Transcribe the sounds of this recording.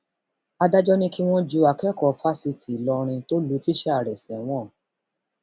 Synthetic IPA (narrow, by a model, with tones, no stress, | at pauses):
a˧da˦d͡ʒɔ˦nĩ˦ki˦w̃ɔ̃˦d͡ʒu˧˦a˧kɛ˦kɔ˦˨fa˦si˧ti˨lɔ˧ɾ̃ĩ˧to˦lu˨˦ti˦ʃɛ˦a˦˨ɾɛ˨sɛ˨w̃ɔ̃˦˨